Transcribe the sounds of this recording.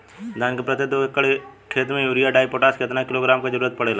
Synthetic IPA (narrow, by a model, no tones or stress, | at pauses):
d̪ʱaːnkepɾət̪ːed̪okekəɽekʰeːt̪mẽjuːɾijaɖaːipoːʈaːskeɪt̪nakɪloɡɾaːmkad͡ʒəɾuːɾət̪̚pɐɽela